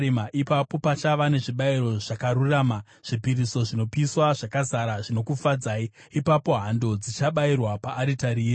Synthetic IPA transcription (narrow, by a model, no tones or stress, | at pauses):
emaʔipapo̞pat͡ʃaʋane̞ʐiɓaiɾo̞ʐ̥akaɾuraːma | ʐ̥ipiɾiso̞ʐino̞piswaʐakazaɾaʐino̞kufad͡zaːiː | papo̞ɦando̞d͡zit͡ʃaɓairwapaʔːɾitaɾiːe